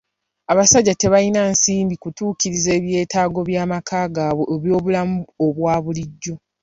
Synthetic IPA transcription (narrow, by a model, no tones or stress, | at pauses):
aβasaɟːate̞βainaːnsiːmbikutuːkiɾize̞ːβje̞ːtaːɡo̞βjaːmakʰaːɡaːβweʔeβjo̞ːβulamuoβwaːβuliɟːo̞